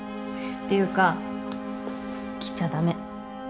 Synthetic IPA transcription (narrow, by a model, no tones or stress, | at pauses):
t̪ːe̞jɯ̟ːka | kʲi̥t͡ɕad̪ame̞